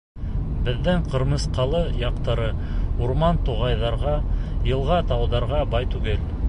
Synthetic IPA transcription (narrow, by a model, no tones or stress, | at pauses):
bɘ̆ðːɘɴqɤ̆ɾmɤ̆sqɑlˠɤjɑqt̪ɑɾɤuɾmɑnt̪uʁɑjðɑɾʁɑjɤ̆lˠʁɑt̪ɑwðɑɾʁɑbɑjt̪ʉɡɘl